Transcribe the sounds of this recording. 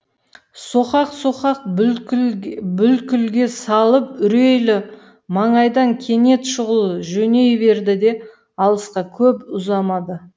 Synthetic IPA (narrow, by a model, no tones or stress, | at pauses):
soχɑqsoχɑq̚ | bʏlkʲʏlɡʲe̞sɑlˠəpʏɾe̞jlɪ | mɑɴɑjd̪ɑŋkʲʰe̞ne̞t̪ʃʊʁəlˠəʒɵne̞jbe̞ɾd̪ɪd̪e̞ | ɑlˠəsqɑkʲʰɵpʊzɑmɑd̪ə